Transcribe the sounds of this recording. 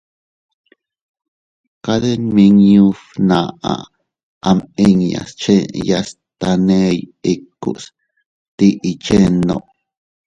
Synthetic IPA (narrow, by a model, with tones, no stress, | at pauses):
ka˦ðe˦nmĩ˧ŋjũ˦fnã˨a̰˨ | a˧mi˦ŋja̰˨st͡ʃe˦ja˧s | t̪a˧nẽ˦ji˦˧kːṵ˨ʔs | t̪i˦ʔi˧t͡ʃe˦nõ̰˧˨ʔ